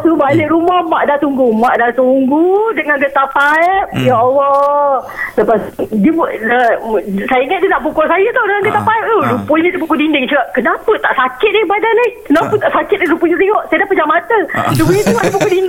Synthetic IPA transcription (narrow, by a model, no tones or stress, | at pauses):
t̪ubaleʔɾumahmaʔdaʔt̪uŋɡumaʔdat̪uŋɡudəŋanɡət̪apaɛp̚jɔʔɔwɔ | ləpasdibəsajəiŋat̪̚diənaʔpukasajət̪awdəŋanɡət̪apaəp̪̚olupunidiəp̬ukudindɪŋt͡ʃəkaʔkənapət̪aʔsakɪt̪̚daipadanakənaput̪aʔsakɪt̪̚alupuɲit̪eŋɔʔsajədapətd͡ʒamat̪ədubuɲit̪eŋaʔdip̬ukudin